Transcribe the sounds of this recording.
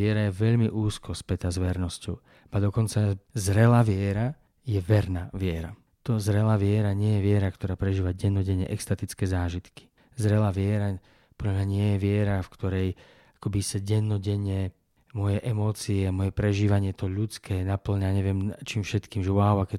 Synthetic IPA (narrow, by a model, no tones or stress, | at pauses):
ɪɛɾajɛʋɛʎmiʔuːskɔspɛt̪azʋɛɾnɔscɔʊ | bad̪ɔkɔnt͡sazɾɛlaːʋɪɛɾa | jɛʋɛɾnaːʋɪɛɾa̰ | t̪ɔzɾɛlaːʋɪɛɾaɲɪɛjɛʋɪɛɾakt̪ɔɾaːpɾɛʒiːʋaɟɛnːɔɟɛɲːɛ̰ʔɛkst̪at̪it͡skɛːzaːʒit̪ki̥ | zɾɛlaːʋɪɛɾa | pɔdlamɲaɲɪɛjɛʋɪɛɾafkt̪ɔɾɛj | ḁkɔbisaɟɛnːɔɟɛɲɛ | mʊɔjɛʔɛmɔːt͡siɛamɔjɛpɾɛʒiːʋaɲɪɛt̪ɔʎut͡skʰɛːnapl̩ɲaɲɛʋɪɛmt͡ʃiːmfʃɛt̪kiːmʒɛwaʊakɛ